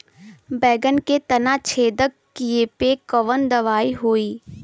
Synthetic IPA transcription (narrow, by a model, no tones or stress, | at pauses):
bɛːɡənket̪ɐnat͡ʃʰeːd̪əkː | iepekəʋənd̪ɐʋaːiɦoːiː